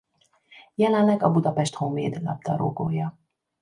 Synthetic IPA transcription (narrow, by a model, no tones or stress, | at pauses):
jɛlɛnlɛɡɒbud̪ɒpɛʃt̪homeːd̪lɒ̰b̚d̪ɒɾoːɡoːjɒ